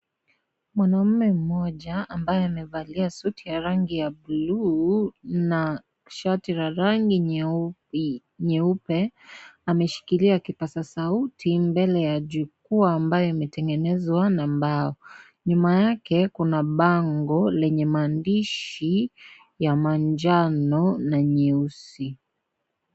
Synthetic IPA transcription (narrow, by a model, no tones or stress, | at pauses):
mwanam̩mɛm̩mɔʄaːmbajɛamɛvaliasutʰijaɾaŋɡijabulu | na | ʃatiɾaɾaŋɡi | ɲɛupɛamɛʃi̥kiliakipasasautʰimbɛlɛjaʄukuaːmbajɔimɛtɛŋɡɛnɛzwanambaɔ | ɲumajakɛkunaɓaŋɡɔlɛɲɛmaːndiʃi | jamaɲd͡ʒanɔnaɲɛusi